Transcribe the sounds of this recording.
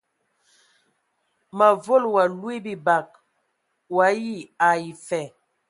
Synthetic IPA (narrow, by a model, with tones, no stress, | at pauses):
ma˨vo˦˨lwa˨lwi˦bi˨ba˨k̚ | wa˨˦ji˦˨a˨i˨fɛ˨